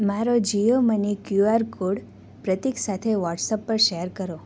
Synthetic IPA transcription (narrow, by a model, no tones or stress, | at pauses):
maɾod͡ʒijomənikjuaɾkoɽ | pɾət̪iksat̪ʰeʋɔʈsəpːəɾʃeəɾkəɾo